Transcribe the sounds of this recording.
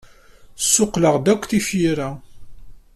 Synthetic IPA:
sːʊqːləʁd̪ækʷːθifiɾæ

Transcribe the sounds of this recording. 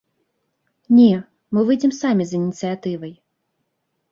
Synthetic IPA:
nʲɛ | mɨvɨjd͡zʲɛmsamʲizɨnʲit̪sɨat̪ɨvɐj

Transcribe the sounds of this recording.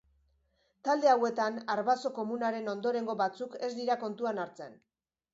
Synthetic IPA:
t̪ald̪e̞awe̞t̪anaɾβaso̞ko̞munaɾe̞no̞nd̪o̞ɾe̞ŋɡo̞βat͡suke̞zd̪iɾako̞nt̪uanaɾt͡se̞n

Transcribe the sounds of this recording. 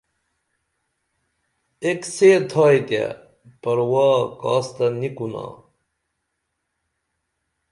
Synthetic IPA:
ekset̪ʰaːjd̪a̰ | pɐɾwaːka̰ːst̪ɐnikuna̰

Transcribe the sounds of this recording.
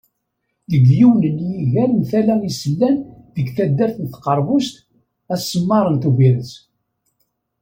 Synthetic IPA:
ðəɡjiwnənjiʝæɾmθælæisəlːænðəɡθæd̪ːæɾθənt̪qɑɾˤvʊst̪ | æsːəmːɑɾˤənt̪uviɾəs

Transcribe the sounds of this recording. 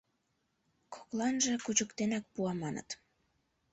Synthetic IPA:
kʰo̥klɑnʒekut͡ɕəkt̪enɑk̚puɑmɑnə̰t̪

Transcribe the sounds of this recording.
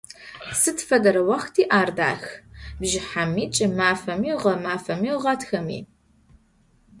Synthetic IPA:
sɨtfɐdɐɾɐwɐxtʰiːʔaːrda̰ːxbʒɪħamiːt͡ʃʼɪmaːfɐmiwʁɐmaːfɐmiːwʁɐtʰxɐmḭː

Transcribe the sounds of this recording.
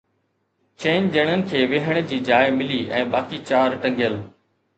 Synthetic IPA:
t͡ɕẽːnʄəɽ̃ənɪ̆kʰeːʋeɦəɽ̃d͡ʑiːd͡ʑaːɪmɪliːɛ̰̃ːbaːkit͡ɕaːɾʈɐ̃ŋɡjəl

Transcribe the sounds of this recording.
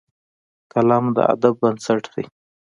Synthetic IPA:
kalɑmd̪ə̰a̰d̪abːənsaʈd̪̥e

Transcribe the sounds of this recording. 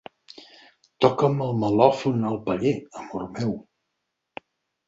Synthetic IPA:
t̪ɔkəməlˠməlɔfunəlˠpəʎeəmurmɛw

